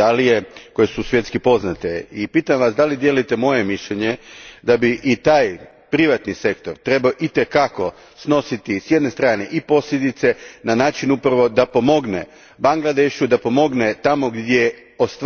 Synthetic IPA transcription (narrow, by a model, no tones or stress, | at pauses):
alijeko̞je̞susʋjet̪skipo̞znat̪eipit̪amʋasd̪alid̪je̞lujt̪e̞mo̞je̞miʃʎeɲed̪abiʔit̪aːj | pɾiʋat̪nise̞kt̪o̞ɾt̪ɾe̞baoʔit̪e̞kako̞ | sno̞sit̪isje̞d̪ne̞st̪ɾaːne̞ʔipo̞sʎed̪it̪se̞nanaːt͡ʃinupɾaʋo̞d̪apo̞mo̞ɡnḛ | baŋɡlˠad̪eʃud̪apo̞mo̞ɡnet̪amo̞ɡd̪ʲje | ost̪